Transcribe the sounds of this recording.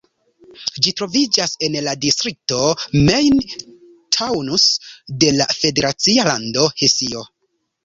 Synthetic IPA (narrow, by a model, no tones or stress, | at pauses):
d͡ʒitɾo̞vid͡ʒase̞nladistɾik̚to̞mejn | tʰawnusde̞lafe̞de̞ɾat͡sialando̞hesio